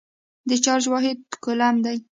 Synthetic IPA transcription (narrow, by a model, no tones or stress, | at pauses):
d̪ət͡ʃɑɾʒwɑɦɪd̪̚kʊlamd̪aj